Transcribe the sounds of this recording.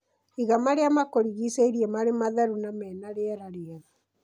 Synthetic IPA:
iɣamaɾeamakoɾiɣiseiɾiɛmaɾemaðɛɾunamɛːnaɾeɛɾaɾeɛɾa

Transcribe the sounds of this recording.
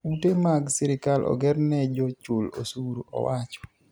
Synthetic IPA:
utemaɡsɪɾɪkalʔɔ̰ɡɛɾnɛd͡ʒɔt͡ʃʊlo̰suɾoɔ̰wʔat͡ʃɔ̥

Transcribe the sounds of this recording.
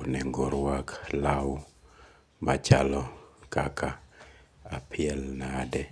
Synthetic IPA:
nɛŋɡoɾwaklaw | mat͡ʃalɔkakʰa | apʰɪɛlnadɛ

